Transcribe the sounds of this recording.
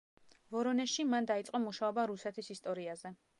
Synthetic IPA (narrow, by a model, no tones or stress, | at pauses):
vɔɾɔnɛʃimand̪ait̪sʼqʼɔmuʃaɔbaɾusɛt̪ʰisist̪ʼɔɾiazɛ